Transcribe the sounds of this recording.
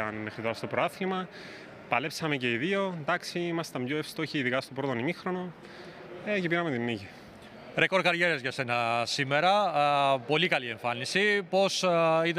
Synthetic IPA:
ɐnmexɾit̪oɾɐst̪o̞pɾoɐθlimɐ | pɐle̞psɐmece̞iðio̞nd̪ɐksiimɐst̪ɐmbjoefst̪oçiiðikɐst̪o̞pɾo̞t̪o̞nimixɾo̞no̞ | ecepiɾɐmet̪inːiʝi | ɾeko̞ɾkɐɾʝeɾezʝɐse̞nɐsimeɾɐpo̞likɐlie̞ɱfɐnisipo̞sið

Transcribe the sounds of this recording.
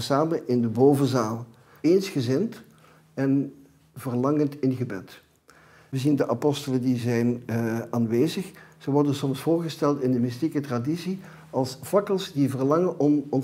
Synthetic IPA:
saːmənʔɪndəboːvəzaːlˠ | eːnsxəzɪnt | ɛn | vərlɑŋəntɪnɣəbɛt | ʋəzindəʔapɔstələndizɛjnaːnʋeːzəxz̥əʋɔrdənsɔmsfoːrɣəstɛlˠtɪndəmɪstikətradisi | ɑlˠsfɑkəlˠsdivərlɑŋənʔɔmɔn

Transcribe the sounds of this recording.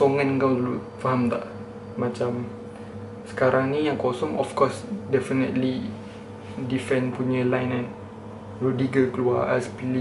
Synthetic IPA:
sɔŋankawlu | faɦamt̪a̰ʔ | mat͡ʃam | sə̥kaɾʔaŋnijaŋkɔsɔŋɔfkɔsdɛfənət̪li | difɛ̃npuɲəlajnɛ̃n | rodiɡəkəlua̰ʔɛ̰spili

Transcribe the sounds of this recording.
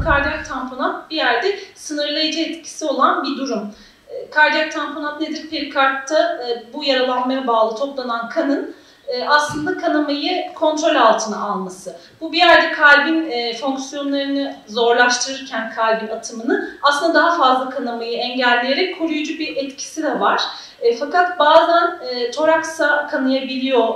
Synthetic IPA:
kʰaɾd̪ak̚t̪ʰampʰo̞nat̪̚bijæɾd̪ɛsɯnɯɾlˠajad͡ʒaɛt̪cʰi̥sio̞lˠanbid̪uɾumː | kʰaɾd̪ak̚t̪ʰampʰo̞nat̪̚ned̪iɾpʰe̞ɾikʰaɾt̪ʰːabujaɾalˠanmajabaːlˠɯt̪ʰo̞plˠanankʰanɯnː | aslˠɯnd̪akʰanamajɯkʰo̞nt̪ɾo̞lʲalˠt̪ʰɯnɯalˠmasɯ | bubijæɾd̪ɛkʰalʲbinːfoŋksijo̞nlˠaɾɯnɯzo̞ɾlˠaʃt̪ʰɯɾɯɾcʰænkʰalʲbinat̪ʰɯmɯnɯaslˠɯnd̪ad̪aɦafazlˠakʰanamajɯɛɲɟælʲːejeɾɛc̚kʰoɾujud͡ʒubiɾʔɛt̪cʰi̥sid̪ɛvaɾ̥ː | fakat̪baːzænːt͡ʃʰo̞ɾaksakʰanɯjabilʲijo̞

